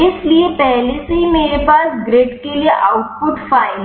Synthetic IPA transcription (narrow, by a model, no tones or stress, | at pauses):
ɪsliepɛɦlesɦimeɾepaːsɡɾeʈkelieʔaʊʈ̚pʊʈfaɪl